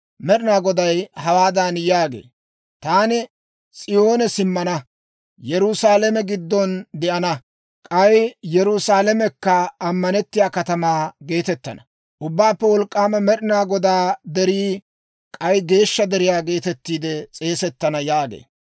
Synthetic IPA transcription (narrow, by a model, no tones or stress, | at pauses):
mɛɗɪnaːɡɔd̪ɐjhɐwaːd̪anjaːɡḛː | t̪aːnɪ | sʼɪjo̞ːnɛsɪmːɐnɐ | jɛɾʊsaːlɛmɛɡɪd̪ːɔnd̪ɛʔɐnɐ | kʼɐjjɛɾʊsaːlɛmɛkːɐːmːɐnɛt̪ːɪjaːkɐt̪ɐmaːɡe̞ːt̪ɛt̪ːɐnɐ | ʔʊbːaːpːɛwɔlkʼːaːmɛmɛɗɪnaːɡɔd̪aːd̪ɛɾiː | kʼɐjɡe̞ːʃːɐd̪ɛɾɪjaːɡe̞ːt̪ɛt̪ːiːd̪ɛt͡sʼe̞ːsɛt̪ːɐnɐjaːɡḛː